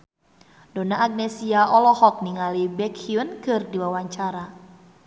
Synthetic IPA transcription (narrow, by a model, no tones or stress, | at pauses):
dɔnaːɡ̚nɛsiaʔɔlɔhɔk̚niŋalibɛkhiunkɨrdiwawaɲt͡ʃaɾa